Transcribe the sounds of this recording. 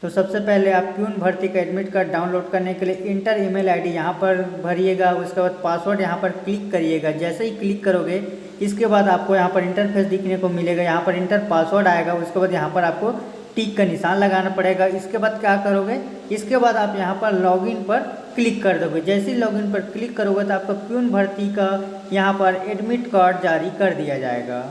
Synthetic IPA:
t̪osɐbsepɛɦleaːp̚kjuːnbʱɐɾt̪ikaɛɖmɪʈkaɖaːʊnloːɖkɐɾnekelieʔɪ̃ɳʈəɾeːmeːlaːɪɖijɐɦãpɐɾbʱɐɾieːɡaːʊɪskebaːd̪̚paːswəɾɖjɐɦãpɐɾklɪkːɐɾieːɡaːd͡ʒɛːseɦiklɪkːɐɾoːɡeː | ɪskebaːd̪aːp̚kojɐɦãpɐɾɪ̃ɳʈəɾpʰeːsd̪ɪkʰnekomɪleːɡaːjɐɦãpɐɾɪ̃ɳʈəɾpaːswəɾɖaːeɡaʊskebaːd̪jɐɦãpɐɾaːp̚ko | ʈiːkːanɪsaːnlɐɡaːnapɐɽeɡaɪskebaːd̪̚kjaːkɐɾoːɡeː | ɪskebaːd̪aːpjɐɦãpɐɾlɔːɡɪnpɐɾ | klɪkːɐɾd̪oːɡed͡ʒɛːseɦilɔːɡɪnpɐɾklɪkːɐɾoɡet̪oaːp̚kopjuːnbʱɐɾt̪ika | jɐɦãpɐɾeːɖmɪʈkaːɾɖ̚d͡ʒaːɾikɐɾd̪ijad͡ʒa̰ːḛɡa̰ː

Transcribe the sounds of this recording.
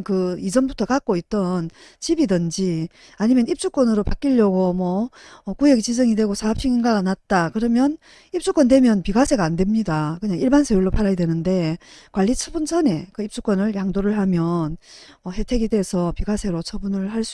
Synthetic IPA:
kɯid͡ʑʌmbutʰʌkak̚k͈oit̚t͈ʌnt͡ɕibidɯnd͡ʑi | aɲimjʌnip̚t͡ɕ͈uk͈ʌnɯɾopak͈iʎːʌɡomwʌːkueɡit͡ɕid͡ʑʌŋidwe̞ɡosʰaap̚ɕ͈ʰiŋinɡaɡanat̚t͈akɯɾʌmjʌn | ip̚t͡ɕ͈uk͈wʌndwemjʌnpiɡasʰe̞ɡaːnde̞mɲidakɯɲaŋiɭbansʰejuɭːopaɾajdwe̞nɯnde̞kwaʎːit͡ɕʰʌbunt͡ɕʰʌne̞kɯip̚t͡ɕ͈uk͈wʌnɯɭjaŋdoɾɯɭhamjʌn | ʌhe̞tʰe̞ɡide̞sʰʌpiɡasʰe̞ɾot͡ɕʰʌbunɯɭhaɭs͈u

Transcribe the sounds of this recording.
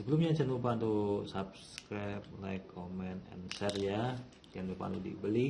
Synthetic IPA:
səbəlumɲat͡ʃanupant̪usap̚skɾap̚lajkʰːomɛnɛ̰nsɛrja | t͡ʃanupa̰nt̪udḭbəli

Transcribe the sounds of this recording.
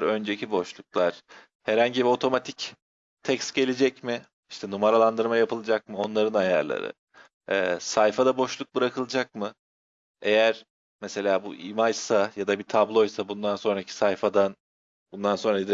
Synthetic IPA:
ɾø̞nd͡ʒecʰibo̞ʃlˠuklˠaɾ̥ | hɛɾhaɲɟibio̞t̪ʰo̞mat̪ʰic | t̪ʰɛcst̪ɟe̞lʲed͡ʒɛcmɪ | iʃt̪ʰɛnumaɾalˠand̪ɯɾmajapʰɯlˠɯd͡ʒak̚mɯo̞nlˠaɾɯnaja̰ɾlˠa̰ɾɯ̰ | ɛːsajfad̪abo̞ʃlˠuk̚bɯɾakʰɯlˠɯd͡ʒak̚mɯ | e̞jæɾ̥ | mese̞lʲaːbuʔimajsajad̪abit̪ʰablˠo̞jsabund̪anso̞nɾacʰi̥sajfad̪an | bund̪anso̞nɾai

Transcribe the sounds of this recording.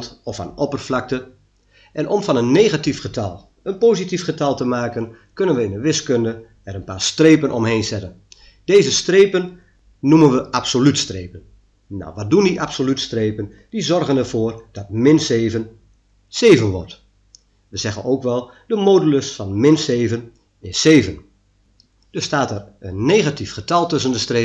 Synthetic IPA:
tɔfa̰nɔpərflɑk̚tə | ʔɛnɔmfɑnənːeːɣatifχətɑlˠ | ənpoːzitifχətɑlˠtəmaːkən | kønənʋəɪndəʋɪskøndə | ɛɾənpaːrstreːpənʔɔmheːnzɛtən | d̥eːzəstreːpən | numənʋəʔapsolytstreːpən | na̰wʋɑt̚dundiʔapsolytstreːpən | d̥izɔrɣənərv̥oːrd̥ɑt̚mɪnseːvən | seːvənʋɔ̰rt | ʋəzɛɣə̰noːkʋɛlˠ | dəmoːduləsfɑnmɪnseːvən | ɪsːeːvən | d̥østaːtɛrənːeːɣatifχətɑlˠtɵs̬əndəstre

